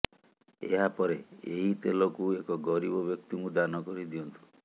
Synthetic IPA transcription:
ḛɦapɔɾeeɦit̪elɔkuekɔɡɔɾibɔbjɔkt̪imud̪anɔkɔɾid̪iɔnt̪ʰu

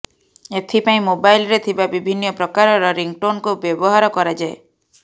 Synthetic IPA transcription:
et̪ʰipaĩmobajlɾet̪ʰibabibʱinːɔpɾɔkaɾɔɾɔɾiŋɡ̚ʈonkubjɔbɔɦaɾɔkɔɾad͡ʒae

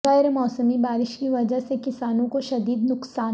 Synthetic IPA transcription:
ɛɪɾmɔːsəmibaːɾɪʃkiʋɐd͡ʒəɦsekɪsaːnõkoʃɐd̪iːd̪nʊqsaː

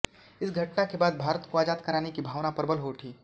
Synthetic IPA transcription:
ɪsɡʱɐʈnakebaːd̪̚bʱaːɾət̪koaːd͡ʒaːt̪kɐɾaːnekibʱaːʋnapɐɾbəlɦoʈʰiː

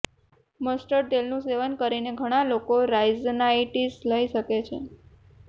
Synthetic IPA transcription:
məsʈəɾʈelnũseʋənkəɾineɡʱəɽ̃alokoɾajznaiʈisləiʃəket͡ʃʰe

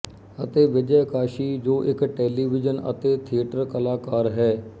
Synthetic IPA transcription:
ət̪eːʋɪd͡ʒəjkaːʃiːd͡ʒoːʔɪkʈɛːliːʋɪd͡ʒənə̰t̪eːt̪ʰiəʈəɾkəlaːkaːɾɦɛː

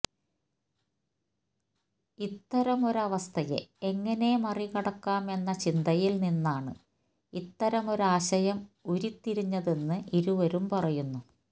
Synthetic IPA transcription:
it̪ːɐɾɐmo̞ɾɐʋɐst̪ʰɐjḛeŋːɐne̞mɐrikɐɽɐkːaːme̞nːɐt͡ɕind̪ɐjilninːaːɳɨ | it̪ːɐɾɐmo̞ɾaːɕɐjɐmuɾit̪ːiɾiɲːɐðe̞nːɨʔiɾuʋɐɾumpɐrɐjunːu

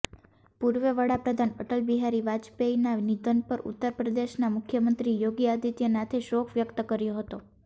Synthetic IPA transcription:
puɾʋəʋəɽapɾəd̪ʱanəʈəlbiɦaɾiʋad͡ʒpeinanid̪ənpəɾṵt̪ːəɾpɾəd̪eʃnamʊkʰjəmənt̪ɾijoɡiad̪it̪jənat̪ʰeʃokʰʋjəkt̪əkəɾjoɦət̪o

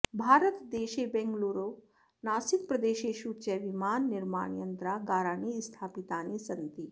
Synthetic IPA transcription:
bʱaːɾət̪d̪eːʃebɛŋɡluːɾo | naːsik̚pɾɐd̪eːʃeʃuːt͡ɕeʋimaːnːɪɾma̰ːɳijənt̪ɾaɡaːɾaːɳist̪ʰaːpit̪aːnisɐnt̪i

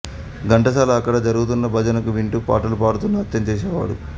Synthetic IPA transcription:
ɡɐɳʈɐsaːlɐːkːɐɽɐd͡ʒɐɾuɡut̪̬unːɐbʱɐd͡ʒɐnɐkuʋiɳʈupa̰ːʈɐlupaːɽut̪unːɐɐt̪jɐmt͡ʃeːs̬ɛːʋa̰ːɽṵ

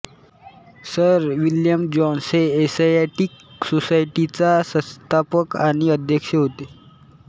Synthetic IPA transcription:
səɾʋiljəmd͡ʑɔnseːsajaʈiksosajʈit͡sasə̃st̪ʰapəkaɽ̃iəd̪ʱjəkʂəɦot̪e

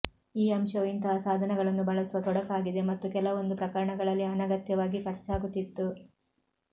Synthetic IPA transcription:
iːɐmʃɐʋint̪ɐɦɐsaːd̪ʱɐnɛɡɐɭɐnːubɐɭɐsuʋɐt̪ɔɽɐkaːɡid̪e̞mɐt̪ːukɛlɐʋo̞nd̪upɾɐkɐɾɐɳɐɡɐɭɐlːiɐnɐɡɐt̪jɐʋaːɡikɐɾt͡ʃaːɡut̪ːit̪ːu

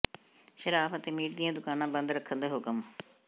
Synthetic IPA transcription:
ʃəɾaːpət̪eːmiːʈd̪ɪjãːd̪ʊkaːnãːbə̃nd̪ɾəkʰːənd̪aːɦʊkəm

